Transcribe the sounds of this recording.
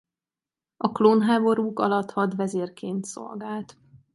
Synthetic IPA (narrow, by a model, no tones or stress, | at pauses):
ʔɒkloːnɦaːbo̞ɾuːkɒ̰lɒt̪hɒt̪vɛzeːrkeːnt̪so̰lɡaːlt̪